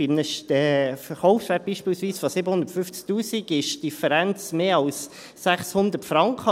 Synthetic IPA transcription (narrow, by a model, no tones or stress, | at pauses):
inəʃtɛfəɾχɔʊfsʋɛt̚b̥iːʃpiːlsʋiːsfɔsɪbəhʊndəɾtfʏft͡sk̚tuːsiɡɪʃd̥ifəɾænt͡smeːɑlsː | æχshʊnd̪ətfɾɑŋkχə